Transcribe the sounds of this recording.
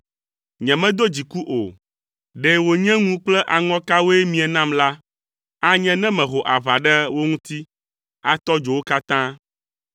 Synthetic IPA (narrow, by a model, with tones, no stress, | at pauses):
ɲɛ̃˨mɛ̃˦d̪o˦d͡ʑi˨ku˦ʔo˨ | ɖɛ˨wo˨ɲɛ̃˦ŋũ˦k͡plɛ˦ʔa˨ŋɔ̃˦ka˦wo˦ɛ˦mĩ˨ɛ˨nã˦˨mla˦ | a˦ɲɛ̃˦nɛ̃˦mɛ̃˨ɦo˨ʔa˨va˨ɖɛ˦wo˦ŋũ˦t̪i˦ | a˨t̪ɔ˦d͡ʒo˨wo˦ka˦t̪ã˦